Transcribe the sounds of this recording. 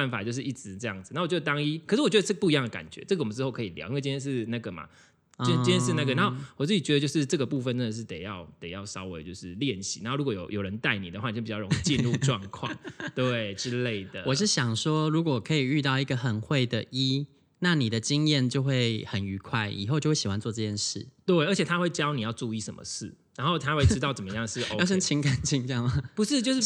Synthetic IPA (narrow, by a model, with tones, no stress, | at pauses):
nfa˨˩t͡ɕjo˥˧ʂɻ̩˥˩i˥˩t͡sɻ̩˧˦ʈ͡ʂɤ˥˧jɑ˥˩ŋd͡z̩̪˨˩a˥wt͡ɕd̪t̪ɑ˥ŋi˥kʰə˨˩ʂɻ̩˥˩wɔ˩t͡ɕɥɛ˧˥də˧ʈ͡ʂə˥ɡpu˥˩i˧jɑ˥ŋd̪ə˩ka̰˨˩nt͡ɕɥɛ̰˧˦˥ʈ͡ʂɤ˥ɡəwɔ˨mə˦nʈ͡ʂɻ̩˥xo˥˩kʰə˧i˨˩lj̰na˥˩ə˨t͡ɕi˥njɛ˥nʂɻ̩˥˧na˥˩ɡə˩ma̰˨˥˧ | t͡ɕĩ˥njɛ˥ʂɻ̩˥˧na˥˩ɡə˩a˧˦xo˥˩ʊwɔ˨˩t͡sɹ̩˥˩t͡ɕi˨˩t͡ɕɥɛ˧˥ə˧t͡ɕjo˥˧ʊʂɻ̩˥˧ʈ͡ʂɤ˥ɡə˩pu˥˧fə˨˧nə˥˩ə˨˩ʂ̬̩˥˩t̪e˨˩ɪjɑ˥˧ʊt̪e˨˩ɪjɑ˥˩ʊsɑ˥ʊwḛ˧ɪt͡ɕjo˥˧ʊʂɻ̩˥˩˨ljɛ˥˩nɕi̥̰˨˩n˨˧˦xo˥˧u˥kwɔ˧jo̰˨˩ʊjo˨˩ʊɻə˧˦nt̪a˥˩ɪnḭ˨d̪ə˩xwa˥˩˨pi˨˩t͡ɕɑ˥˩o˧˦i˥˧t͡ɕi˥˧nɻu˥˧ʈ͡ʂwɑ˥˧ŋkʰwɑ̰˥˩ŋt̪we˥˩ɪʈ͡ʂɻ̩˦le˥˩ɪd̪ə˩wɔ˨˩ʂ̬ɻ̩˥˩ɕjɑ˨˩ŋʂwɔ˦ɻu˧˥kwɔ˨˩kʰə˧˥i˨˩y˥˧t̪ɑ˥˩ʊi˧˥ɡə˨xə˨˩nxwe˥˩ɪd̪ə˨ʔi˦˥ | na˥˩ni˨˩d̪ə˦t͡ɕi˦˥ŋjɛ˥˨nt͡ɕjo˥˧ʊxwe˥˩ɪxə˨˦ny˧˥kʰwa˥˩ɪḭ˨˩xo˥˧t͡ɕjo˥˧wɕi˨˩wa˦nt͡swɔ˥˧ʈ͡ʂɤ˥˩t͡ɕjɛ˥˧nʂɻ̩˥˩t̪we˥˩ɪə˧˦t͡ɕʰɛ˨˩t̪ʰa˥xwe˥˩ɪt͡ɕjɑ˥ʊni˨˩jɑ˥˧ʊʈ͡ʂu˥˧i˥˩ʂə̰˧˦nmə̰˨ʂɻ̩˥˩ | ɻa˧˦nxo˥˧ʊt̪ʰa˥we˥˩ʈ͡ʂɻ̩˥t̪ɑ˥˩ʊt͡sə˨˩mə˦jɑ˥˧ŋʂɻ̩˥˩˦jɑ˥˩ɕ̬ə˥nt͡ɕʰi˧˥ŋka˨˩nt͡ɕʰi˧ŋt͡ɕjɑ˥˩ŋma˨pu˧˦ʂɻ̩˥˧t͡ɕjʊʂ